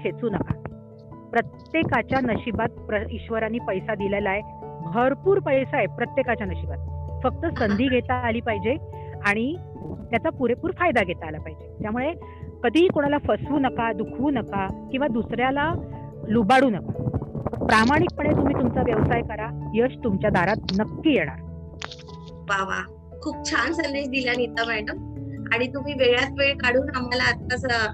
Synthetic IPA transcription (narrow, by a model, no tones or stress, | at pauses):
kʰet͡suːnəka̰ | pɾət̪jekat͡ɕjanəɕibat̪̚pɾəiɕʋəɾanːiːpəjsad̪ilelaebʱəɾpuːɾpəjsaepɾət̪jekat͡ɕjanəɕibat̪̚fək̚t̪əsənd̪ʱiːɡʱet̪aːliːpaɦid͡ʑe | aɽ̃i | t̪jat͡sapuɾepuːɾfajd̪aɡʱet̪aːlapaɦid͡ʑet̪jamuɭe | kəd̪ʱiːkoɽ̃alafəsʋuːnəkad̪ukʰʋuːnəkakĩw̃ʋad̪usɾjala | lubaɽuːnəkapɾamaɽ̃ik̚pəɽ̃et̪um̤iːt̪umt͡saʋjəʋsajkəɾajəst̪umt͡ɕjad̪ʱaɾat̪̚nəkːiːjeɽ̃a̰ɾ | ʋaʋa̰ | kʰuːp̚t͡ɕʰansənd̪eɕd̪ilanit̪əmaɳʈəmaɽ̃it̪um̤iːʋeɡɭjat̪ʋeɭkaɽuːnamalaət̪̚kəsə